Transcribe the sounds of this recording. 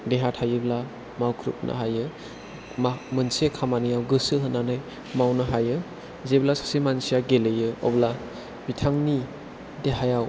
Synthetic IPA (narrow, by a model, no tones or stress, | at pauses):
deɦatʰhajɯbla | mawkʰɾṵp̚nʔa̰ɦajɯ | mmɯnsekʰamanijawɡɯsɯɦɯnːanaj | mawnɯɦajɯ | zeblasḁsimansijaɡelejɯɔ̰bla | bitʰaŋni | deɦajaw